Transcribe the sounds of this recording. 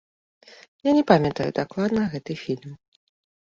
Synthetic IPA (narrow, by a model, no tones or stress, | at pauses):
janʲɛpamʲɛt̪ɐjṵd̪aklˠad̪nɐɣɛt̪ɨfʲilʲm